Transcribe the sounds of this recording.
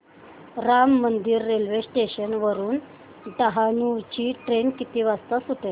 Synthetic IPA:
ɾamːənd̪iːɾːelʋesʈeɕənʋəɾuːn | ɖaɦanut͡ɕiːʈɾenkit̪iːʋast̪asuʈe

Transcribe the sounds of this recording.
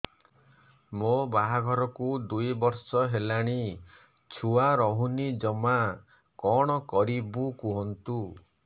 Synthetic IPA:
mobaɦaɡʱɔɾɔkud̪ujbɔɾsɔɦelaɽ̃i | t͡ʃʰuaɾɔɦunid͡ʒɔma | kɔɽ̃ɔkɔɾibukuɦɔnt̪u

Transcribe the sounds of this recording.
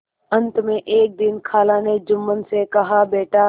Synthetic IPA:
ə̃nt̪mẽʔeːk̚d̪ɪnkʰaːlãːned͡ʒʊmːənɪ̆sekɐɦabeːʈa

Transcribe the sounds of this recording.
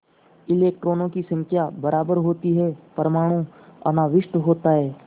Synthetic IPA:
ɪleːk̚ʈɾoːnõːkisə̃ŋkʰjabəɾʔaːbəɾɦoːt̪iɦɛːpəɾmaːɽ̃ũɐ̰naːʋɪʃʈɦoːt̪aɦɛː

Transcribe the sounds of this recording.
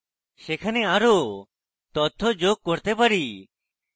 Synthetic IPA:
sekʰaneaːɾo | t̪ɔt̪ʰɔd͡ʒoːɡ̚kːɔɾt̪epaɾi

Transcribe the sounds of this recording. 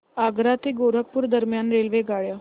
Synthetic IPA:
aːɡɾat̪eɡoːɾək̚pʊɾd̪əɾmjaːnɾeːlʋeɡaːɭjaː

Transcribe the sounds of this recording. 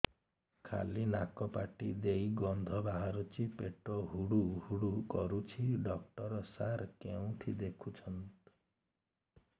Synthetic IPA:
kʰa̰linakɔpaʈid̪ejɡɔnd̪ʱɔbaɦaɾut͡ʃipeʈɔɦuɽuhuɽukɔɾut͡ʃʰiɖɔk̚ʈɔɾɔsaɾkeũʈ̪ʰid̪ekʰut͡ʃʰɔnt̪

